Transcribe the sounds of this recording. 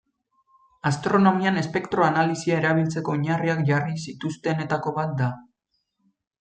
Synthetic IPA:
ast̪ɾo̞no̞miane̞spe̞kt̪ɾo̞analisiae̞ɾaβ̞ilt͡se̞ko̞ːɲariakʝarisit̪ust̪e̞ne̞t̪ako̞βat̪̚d̪a

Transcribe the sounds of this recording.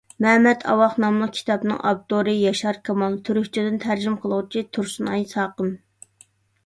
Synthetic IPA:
mɛmɛt̪ʰɑ̰wɑχnɑmlˠəq̚kʲʰi̥t̪ʰɑpnɨ̰ŋʔɑ̰b̚t̪oɾɨjɑʃɑɾkʰɑmɑlˠt̪ʰyɾyhʲt͡ʃʰid̪ɪnt̪ʰæɾd͡ʒimqʰəlˠəʁt͡ʃʰit̪ʰuɾsunɑjsɑːqəm

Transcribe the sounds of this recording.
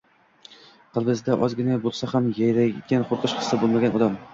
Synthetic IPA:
qʰɨlˠbɪzd̪aʔɒzɡʲɪnabolˠsahamjajɾaɡʲanqʰʊɾqɨʃχɨ̥sːabolˠmaɡʲanɒd̪am

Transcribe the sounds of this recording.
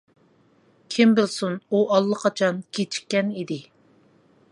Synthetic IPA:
kʲʰimbɪlsunuʔɑlˠːəqʰɑt͡ʃʰɑnkʲʰet͡ʃʰi̥kʲːɛnid̪ɪ

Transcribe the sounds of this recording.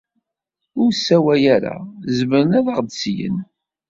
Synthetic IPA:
ʊɾsːæwæjæɾa̰zməɾənæðəʁd̪sjə̰n

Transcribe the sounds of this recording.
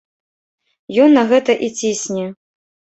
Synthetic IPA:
jɔnːɐɣɛt̪ɐʔit͡sʲisʲnʲɛ

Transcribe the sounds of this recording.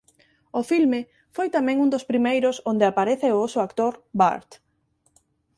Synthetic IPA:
ʊfilmɪ | fojt̪amɛ̃ŋund̪ospɾimejɾʊsond̪eapaɾeθɪoosʊakt̪oɾba̰ɾt̪

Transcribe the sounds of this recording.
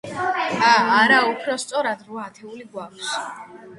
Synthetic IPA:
aːɾaupʰɾɔst̪sʼɔɾad̪ɾuaːt̪ʰɛuliɡwakʰs

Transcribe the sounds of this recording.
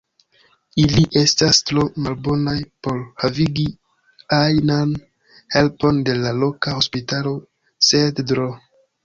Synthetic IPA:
iliʔe̞stastɾomalbo̞najpo̞ɾhaviɡi | ajnan | he̞lpo̞nde̞lalo̞kaho̞spitalo̞ | seddɾo

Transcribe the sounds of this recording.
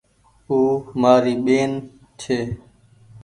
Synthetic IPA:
uːmaːɾiːɓeːn | t͡ʃʰeː

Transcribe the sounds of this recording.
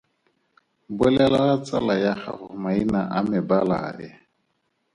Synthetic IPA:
bʊlɛlalat͡sʼalajaχa̰χʊmainaʔamɪbala̰ɪ

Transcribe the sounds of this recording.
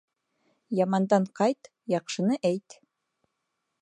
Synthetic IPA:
jɑmɑnd̪ɑɴqɑjt̪ | jɑqʃɤ̆nɤʔæjt̪

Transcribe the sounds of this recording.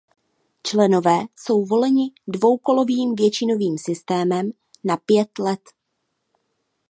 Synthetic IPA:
t͡ʃlɛno̞vɛːso̞wvo̞lɛɲɪdvo̞wko̞lo̞viːmvjɛt͡ʃɪno̞viːmsɪst̪ɛːmɛm | napjɛt̪lɛt̪

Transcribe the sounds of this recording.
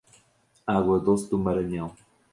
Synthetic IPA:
aɣwɐðosd̪umɐɾɐɲɐ̃w

